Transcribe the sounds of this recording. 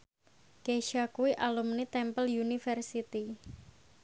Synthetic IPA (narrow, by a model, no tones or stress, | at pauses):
keʃakuiʔalumnit̪ɛmpəljunifɛrsit̪i